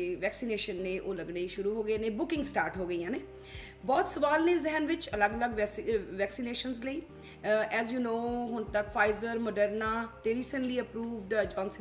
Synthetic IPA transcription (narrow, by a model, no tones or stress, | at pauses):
ʋɛːksiːneːʃənːẽːʔoːləɡɽeːiʃʊɾuːɦoːɡəeːneːbʊkɪ̃ŋɡsʈaːɾʈɦoːɡəiːãːneː | bɔːt̪səʋaːlnẽːzɪɦənʋɪt͡ʃələɡələɡʋɛːksiːneːʃənzləiː | ɛːzjuːnoːɦʊnt̪əkfʰaːɪzəɾməɖəɾnaːt̪eːɾiːsənliːəpɾuːʋɖd͡ʒɔ̃ːnsə